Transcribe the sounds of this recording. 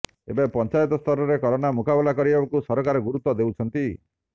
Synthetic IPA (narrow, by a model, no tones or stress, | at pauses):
ḛbapɔnt͡ʃajɔt̪ɔst̪ʰɔɾɔɾekɔɾɔnamukabelakɔɾibabakusɔɾɔkaɾɔɡuɾut̪ːɔd̪euwt͡ʃʰɔnt̪i